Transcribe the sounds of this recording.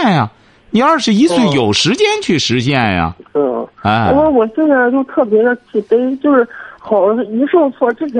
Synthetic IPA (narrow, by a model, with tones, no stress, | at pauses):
njɐ˩ | ni˧˥ə˞˥˧ʂɻ̩˥˩˧i˧˥swe˥˩ɪjo˨˩ʊʂɻ̩˧˥t͡ɕjɛ˥nt͡ɕʰy˥˩ʂɻ̩˧˥t͡ɕjɛ˥˩njɐ̰˨˩tɔ˥˩ɛ˥˧˥ə˥wɔ˨˩ɕjɛ˥˧nd͡za˥˧ɪt͡ɕjo˥˧ʊt̪ʰɤ˥˩pjɛ˧˥d̪ə˧t͡ɕʰi˨˩pe˥ɪt͡ɕjo˥˧ʊʂɻ̩˥˩xɑ˨˩ʊ˥i˧˥ʂo˥˧ʊt͡sʰwɔ˥˩ʈ͡ʂɻ̩ʰ˥˩˧